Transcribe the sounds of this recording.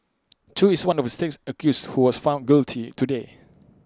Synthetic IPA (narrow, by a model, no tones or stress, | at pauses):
tʰuiswãnɔfdəseksəkjushuwɔsfãʊ̃nɡiltʰitʰude